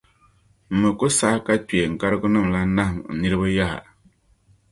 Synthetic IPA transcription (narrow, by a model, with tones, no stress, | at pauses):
m̩˨mɨ˨kʊ˦sa˦ka˦pe˨ŋ̩˨ka˦ɾɨ˦ɡʊ˦nɨ˦˨mla˦na˦hm̩˨nɨ˦ɾɨ˦bɨ˦ja˦ha̰˨